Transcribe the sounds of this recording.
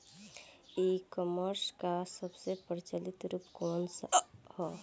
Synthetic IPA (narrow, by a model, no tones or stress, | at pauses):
ikɔməɾskasəbsepəɾt͡ʃəlɪt̪ɾuːpkɔːnsahɔː